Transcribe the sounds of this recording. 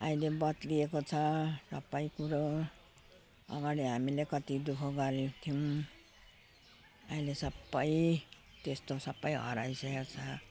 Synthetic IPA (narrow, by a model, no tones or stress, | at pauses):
ajlebʌt̪liekot͡sʰʌsʌbːʌjkuɾo | ʌ̰ɡaɽiɦamilekʌt̪id̪ukʰoɡʌɾet̪ʰijuw | ajlesʌbːʌj | t̪est̪osʌbːʌjɦʌ̰ɾajseot͡sʰʌ